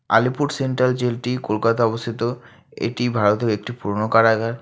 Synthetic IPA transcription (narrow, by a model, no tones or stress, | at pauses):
a̰lipuɾɖseɳʈɾald͡ʑelʈikolkat̪aɔbost̪ʰit̪o | ḛʈibʱaɾot̪eɾek̚ʈipuɾonokaɾaɡʱaɾ